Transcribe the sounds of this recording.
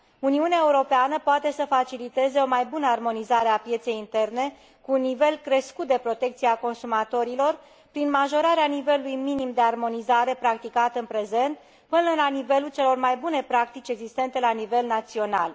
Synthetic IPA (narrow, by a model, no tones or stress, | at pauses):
uniuneae̞uɾo̞peanəpoat̪e̞səfat͡ʃilit̪e̞ze̞o̞majbunəarmo̞nizaɾe̞apje̞t̪se̞jint̪e̞rne̞ | kuːnːive̞lkɾe̞skut̪̚d̪e̞pɾo̞t̪e̞kt̪sieako̞nsumat̪o̞ɾilo̞r | pɾinmaʒo̞ɾaɾeanive̞lulujminimd̪e̞armo̞nizaɾe̞pɾak̚t̪ikat̪ɨnpɾe̞ze̞nt̪̚ | pɨnənəlanive̞lult͡ʃe̞lo̞rmajbune̞pɾak̚t̪it͡ʃʲe̞ɡzist̪e̞nt̪e̞lanive̞lnat̪sio̞na̰l